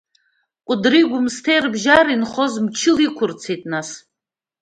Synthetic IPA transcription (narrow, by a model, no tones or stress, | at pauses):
kʷʼʊdriɡʷʊmstʰejrbʒaɾinχozmt͡ʃʰɪlikʷʰʊrt͡sʰejtʼnas